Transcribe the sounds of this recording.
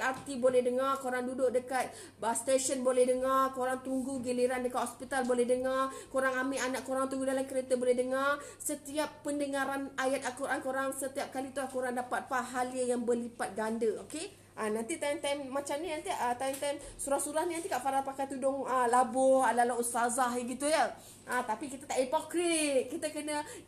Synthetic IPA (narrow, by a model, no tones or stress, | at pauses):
art̪ibolɛhdəŋarkuɾaŋdudʊʔ̚dəkat̪̚ | ast̪eʃənbolɛhdəŋarkoɾaŋt̪uŋɡuɡiliɾandəkat̪hɔspit̪albolɛhdəŋarkoɾaŋamiʔanaʔkuɾaŋt̪uŋɡudalamkəɾet̪abolɛhdəŋar | sət̪iapːəndəŋãɾanajat̪̚alkuɾʔankuɾaŋsət̪iap̚kalit̪ulahkuɾaŋdapat̪̚paɦaliəjaŋbəlipat̪̚ɡandəoke | ʔanãnt̪it̪amt̪amːãt͡ʃamniant̪iaʔət̪amt̪amsuɾahsuɾahninant̪ikaʔfaɾat̪̚pakajt̪udʊŋəlabʊhadalaɦust̪azaɦiɡit̪ujə | ʔat̪apikit̪at̪aʔipokɾit̪̚kit̪əkənə